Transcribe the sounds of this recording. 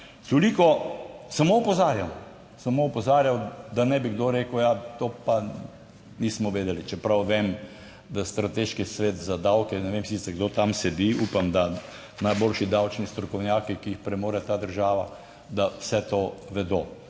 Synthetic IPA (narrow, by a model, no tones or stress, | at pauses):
t̪olikɔsamoɔpɔzaːɾjam | samoɔpɔzaːɾjawd̪anɛbiɡd̪oɾeːkəʊjat̪oːpa | niːsmɔʋeːd̪ɛlit͡ʃɛpɾawʋem | d̪ast̪ɾat̪eʃkisʋeːt̪zad̪awkɛnɛʋemsit̪sɛɡd̪ot̪amsɛd̪iupamd̪a | najboːlʃid̪awt͡ʃnist̪ɾɔkɔwnjaːkikiixpɾɛmoːɾɛt̪aːd̪əɾʒaːʋa | d̪awsɛt̪oːʋɛd̪oː